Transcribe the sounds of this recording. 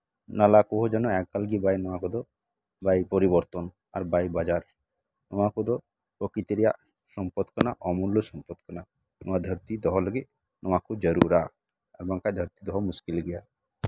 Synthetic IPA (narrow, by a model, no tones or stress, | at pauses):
nalakoɦod͡ʒɔnɔɛk̚kalɡibajnɔwakud̪ɔ | bajpɔɾibɔɾt̪ɔn | a̰ɾbajbad͡ʒaɾ | nɔwakud̪ɔ | pɾɔkɾit̪iɾija̰ | sɔmpɔd̪kɔnaʔɔmulːɔsɔmpɔd̪kɔna | nɔ̰wad̪ʱəɾt̪id̪ɔɦɔlɔɡi | nɔwakud͡ʒəɾṵɾa | ɛbaŋkajd̪ʱəɾt̪id̪ɔɦɔmuskilɡɛja